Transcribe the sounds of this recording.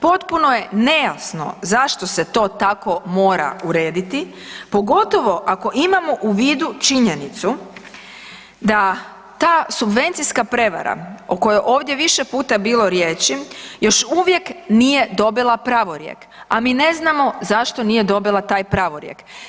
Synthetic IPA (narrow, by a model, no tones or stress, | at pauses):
po̞t̪puno̞je̞ne̞jasno̞̰zaʃt̪oset̪o̞ːt̪ako̞mo̞ːɾa̰uɾe̞ːd̪it̪i | po̞ɡo̞t̪o̞ʋo̞ʔako̞ʔimamo̞ʔuʋiːd̪ut͡ʃiɲe̞nit̪su | d̪a | t̪aːsubʋe̞nt̪siskapɾe̞ʋa̰ɾa̰oko̞jojʔo̞ːʋd̪je̞ʋiʃepuːt̪abiːlˠo̞ɾjeːt͡ʃijo̞ʃuʋje̞knije̞d̪o̞bilˠapɾaʋoɾjḛk | amiːne̞znamo̞zaʃt̪onije̞d̪o̞bilˠat̪aːjpɾaʋoɾjḛk